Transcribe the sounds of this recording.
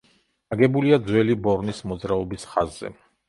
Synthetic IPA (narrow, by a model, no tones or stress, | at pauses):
aɡɛbuliad̪zwɛlibɔɾnismɔd̪zɾaɔbisχazːɛ̰